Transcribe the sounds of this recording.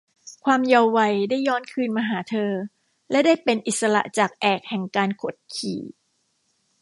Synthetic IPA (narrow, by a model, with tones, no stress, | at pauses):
kʰwaː˧mja˧wːa˧jdaː˥˩jːɔː˦˥˩nkʰɯː˧nmaː˧ɦaː˩˦t̪ʰɤː˧ | lɛ˦˥daː˥˩jpe˧nʔi˨˩t̪̚sa˧la̰˨˩t͡ɕaː˨˩k̚ʔɛː˨˩k̚hɛ˨˩ŋkaː˧nkʰo˨˩t̪̚kʰḭː˨˩˦